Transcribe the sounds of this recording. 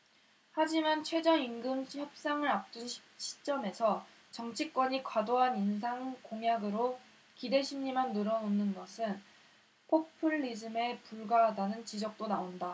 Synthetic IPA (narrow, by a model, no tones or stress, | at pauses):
had͡ʑimant͡ɕʰwe̞d͡ʑʌinɡɯmçjʌp̚s͈aŋɯɾap̚t͈unɕʰi̥t͡ɕ͈ʌme̞sʰʌ | t͡ɕʌŋt͡ɕʰik͈wʌɲikwadoɦaninsʰaŋkoŋjaɡɯɾo | kide̞ɕʰimɲimanːɯɾʌnonːɯnɡʌsʰɯn | pʰok̚pʰɯɭːid͡ʑɯme̞puɭɡaɦadanɯnt͡ɕid͡ʑʌk̚t͈onaonda